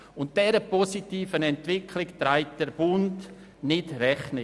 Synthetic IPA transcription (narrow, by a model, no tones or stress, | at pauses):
ʊnt̚d̥ɛɾəpɔsitiːfənɛntʋɪkʰlɪktɾaɪt̚d̥əɾbʊnd | nɪtɾɛχnɪ